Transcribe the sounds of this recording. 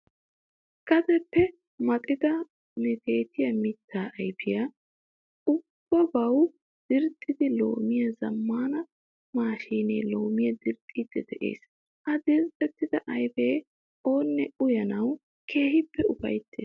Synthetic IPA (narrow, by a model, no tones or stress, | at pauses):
kɐd̪ɛpːɛ | mɐt̪ʼɪd̪ɐ | nɛt̪e̞ːt̪ɪjɐmɪt̪ʰːaːʔɐjpɪja | ʊbb̥ːɐbɐw | d̪̥ɪɾt̪ʼːɪd̪ɪlo̞̰ːmɪjɐzɐmːaːnɐ | maːʃiːnḛːlo̞ːmɪjɐd̪ɪɾt̪ʼːiːd̪ɪd̪ɛʔḛːs | ʔɐd̪ɪɾt̪ʼːɛt̪ːɪd̪ɐʔɐjbeː | o̞ːnːɛʊjɐnɐw | kʰe̞ːɦɪpːɛʊfɐ̰jt̪ːḛːs